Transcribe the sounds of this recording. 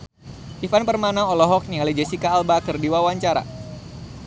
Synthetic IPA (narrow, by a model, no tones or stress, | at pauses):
ʔifanpərmanaŋɔlɔɦɔk̚nialid͡ʒɛsikaːlbakɨrdiwawaɲt͡ʃaɾa̰